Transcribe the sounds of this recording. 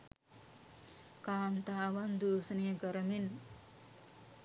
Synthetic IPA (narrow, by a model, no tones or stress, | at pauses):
kaːnt̪aːʋand̪uːsɐnejəɡəɾɐmin